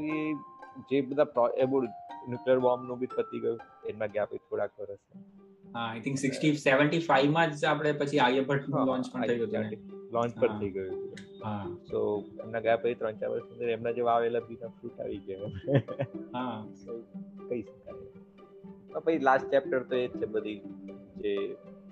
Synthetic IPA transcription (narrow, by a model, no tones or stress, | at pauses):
id͡ʒebəd̪ʱapɾɔebuɽnjukləɾbɔmnũbit̪̚pəɾt̪ʰəiɡəjũ | ɛmnaɡjapəit̪ʰoɽakʋəɾəse | ɦãajt̪ʰɪ̃ŋksɪksʈiseʋə̃ɳʈifaiʋmãd͡ʒapɽ̃epət͡ʃʰiajəbʱəʈɦãlɔ̃ɲt͡ʃpəɳʰəjuɦət̪ilɔ̃ɲt͡ʃpəɾt̪ʰəiɡəjut̪ṵ | ɦãsoḛmnaɡapəit̪ɾə̃nt͡ʃa̰ɾʋə̰ɾsmə̃nd̪əɾɛmnad͡ʒeʋaʋelabinafɾuːʈa̰ʋiɡja | ɦãsokəɦiʃəka | məpət͡ʃʰilasʈ̚t͡ʃɛp̚ʈəɾt̪oet͡ʃʰebəd̪ʱid͡ʒe